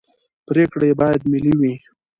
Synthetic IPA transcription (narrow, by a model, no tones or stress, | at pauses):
pɾekɽajebɑjad̪miliwi